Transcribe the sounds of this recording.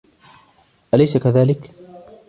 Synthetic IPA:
ʔalajsakaðaːlɪk

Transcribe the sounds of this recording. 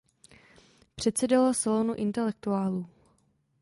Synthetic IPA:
pr̝̥ɛt̪sɛdalasalonuʔɪnt̪ɛlɛk̚t̪uaːluː

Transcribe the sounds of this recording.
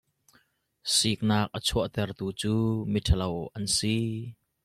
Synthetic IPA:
sik̚naːk̚ʔət͡sʰuəʔt̪ɛrt̪uːt͡suːmitʰəlɐwʔɐnsi

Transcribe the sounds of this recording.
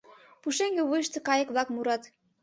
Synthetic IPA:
puʃeŋɡĕβujʃt̪ɤ̆kɑjəkβlɑkmuɾɑt̪

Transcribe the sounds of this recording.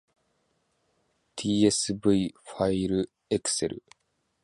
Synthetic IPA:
t̪ʰiːesɨbɯifaiɾɯ | ekseɾɯ̰

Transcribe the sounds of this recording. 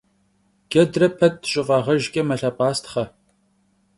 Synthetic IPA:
ɡ̥ɐdrɐpʰɐt̚ːɕʼɪfʼɑːʁɐʒɡʲʼɐmɐɬɐːpʼaːstʰχɐ

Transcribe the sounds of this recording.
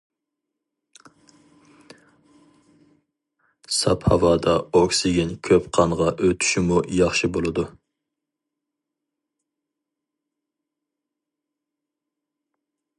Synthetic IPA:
sɑphɑwɑːd̪ɑoksiɡʲɪnkʲʰøpqʰɑɴʁɑʔøt̪ʰy̥ʃɪmujɑχʃɨbolˠɨd̪u

